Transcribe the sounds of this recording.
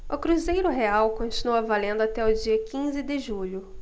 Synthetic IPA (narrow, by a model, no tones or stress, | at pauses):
ʊkɾuzejɾʊɦeawkõnt͡ʃinuɐvalẽnd̪ʊat̪ɛʊd͡ʒiɐkĩzɪd̪ɪʒuʎʊ